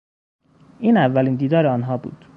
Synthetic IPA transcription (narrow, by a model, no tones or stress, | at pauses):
ʔiːnævːæliːnd̪iːd̪ɒːɾeɒːnɦɒːbṵːd̪̥